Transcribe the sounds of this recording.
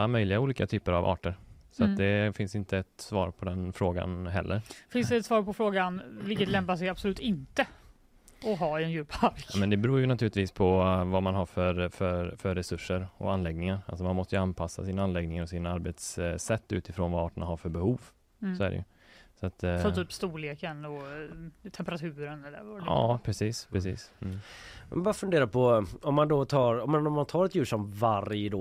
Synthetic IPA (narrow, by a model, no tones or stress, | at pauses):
mœjlɪɡauːliːkat̪ʰyːpəɾavɑ̰ːʈəɾsɔat̪̚d̪ɛfɪnsɪnt̪əɛt̪svɑ̰ːɾpʰɔd̪ɛnfɾoːɡa̰nɦɛ̰lːʔəɾfɪnsd̪ɛt̪svɑːɾpɔfɾoːɡanvɪlkət̪lɛmpasɛjabsɔlʉ̟ːt̪ɪnt̪ə | ɔɦɑːɛnjʉ̟ːpaɾmɛnd̪ɛbɛɾuːjɵnat̪ʰʉːlɪt̪viːspʰɔvamanɦaɾfœɾfœfœɾːɛsɵʂːəɾɔ̰anlɛɡnɪŋaɾa̰ls̬ɔmanmɔst̪əjʏanpʰasːa̰siːnaanlɛɡnɪŋaɾɔsiːnaaɾbet̪sːɛt̪ːʉ̟ːt̪ɪfɾoːnvaɑːʈənaɦaɾfœɾbɛhuːv | sɔæ̰ɖɛ̰jɵ̰ | sɔat̪sɔmt̪ʰyːpst̪uːleːkənɔ | t̪ʰɛmpəɾat̪ʰʉ̟ːɾənɛlɛvɑ̰ːpʰɾɛsiːspʰɾɛsḭːs | mɛ̰nbɑːɾafɵnd̪eːɾapʰɔɔmːand̪ɔt̪ʰɑːɾɔmːɛnɔmːant̪ʰɑːɾɛt̪jʉ̟ːʂɔmvaɾjəd̪ɔː